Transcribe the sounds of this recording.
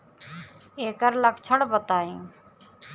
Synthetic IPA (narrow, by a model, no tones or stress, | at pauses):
eːkəɾləkt͡ʃʰəɽbət̪aːĩː